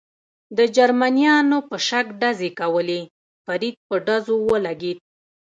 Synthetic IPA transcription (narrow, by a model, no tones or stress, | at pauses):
d̪əd͡ʒaɾmanijɑnopəʃakɖazekawəle | faɾid̪̚pəɖazowəlaɡed̪̚